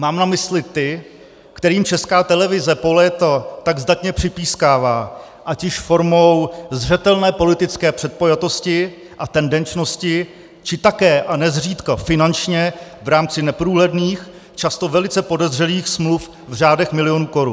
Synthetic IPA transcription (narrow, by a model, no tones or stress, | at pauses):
maːmnamɪslɪt̪ɪ | kt̪ɛɾiːmt͡ʃɛskaːt̪ɛlɛvɪzɛpolɛːt̪at̪aɡzd̪at̪ɲɛpr̝̥ɪpiːskaːvaː | ʔacɪʃfo̞ɾmo̞wzr̝ɛt̪ɛlnɛːpo̞lɪt̪ɪt͡skɛːpr̥ɛt̪̚po̞jat̪o̞scɪ | ʔat̪ɛndɛnt͡ʃno̞scɪ | t͡ʃɪt̪akɛːʔanɛzr̝iːt̪kafɪnant͡ʃɲɛvɾaːmt͡sɪnɛpɾuːɦlɛdniːx | t͡ʃast̪o̞vɛlɪt͡sɛpo̞dɛzrɛliːxsmluf | vr̝aːdɛxmɪlɪjo̞nuːko̞ɾṵn